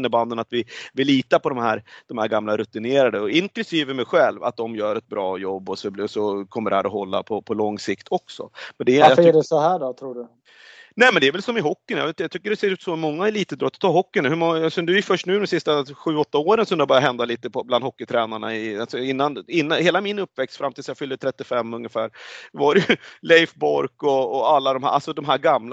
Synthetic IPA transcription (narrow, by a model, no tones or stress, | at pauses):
nːəband̪ənat̪vɪvɪliːt̪apʰɔd̪ɔmhæːɾd̪̥ɔmhæːɾɡamlaɾɵt̪ːɪneːɾad̪əɔɪnklɵsiːvəmɛɧɛlva̰t̪̚d̪ɔmjœːɾɛt̪̚bɾɑːjɔbːɔsɔbɔsɔkʰɔmːəɖ̪ɛhæːɾɔɦɔlːa̰pʰɔpʰɔlɔŋːsɪkt̪ʰɔksɔ̰mɛnd̪ɛafɛɖɛsɔhæːɖɔt̪ʰɾuːɖɵ | nɛːmɛnd̪ɛɾvɛlsɔmɪɦɔkːɪnjɑ̰vt̪jɑt̪ʰʏkːəɖɛseːɾʉ̟ːt̪sɔmmɔŋːaɛliːt̪əd̪ɾɔt̪ːt̪ʰɑːɦɔkːɪnahɵmɔŋːaasɔd̪ɵæɾjɵfœʂʈnʉ̟ːd̪ɔmsɪst̪aɧʉ̟ːɔt̪ːaoːɾənsɔmd̪ɛhabœɾjaɦɛnd̪aliːt̪əpʰɔbland̪hɔkːɪt̪ʰɾɛːnaɳa̰ɪalsɔɪnːanɪnːaheːlamɪnɵpːvɛkst̪fɾamt̪iːsjɑfʏld̪ət̪ʰɾɛt̪ːɪfɛmːɵŋjəfæːɾvaɾɛjɵlɛɪfbɔɾkɔːalːad̪ɔmhæ̰ɾʔa̰lsɔd̪ɔmɦæːɾɡaml